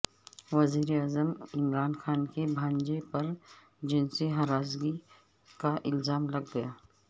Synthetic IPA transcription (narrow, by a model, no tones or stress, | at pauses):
ʋɐziːɾeaːzəmɪmɾaːnxaːnkebʱãːnd͡ʒepɐɾ | d͡ʒɪnseɦaɾaːzɡi | kaʔɪlzaːmlɐɡːɐjaː